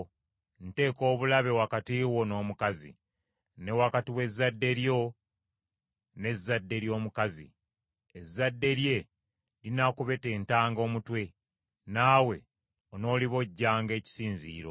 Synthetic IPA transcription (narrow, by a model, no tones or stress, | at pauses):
n̩te̞ːko̞ːβulaβe̞wakatiwo̞no̞ːmukazḭ | ne̞wakatiwe̞zːadːe̞ɾjo̞ | ne̞zːadːe̞ɾjo̞ːmukazḭ | ezːadːe̞ɾje̞ | linakuβe̞te̞ːntaːŋɡo̞ːmutwe̞ | naːwe̞ | ono̞ːliβo̞ɟːaːŋɡe̞ːci̥siːnziːɾo̞̰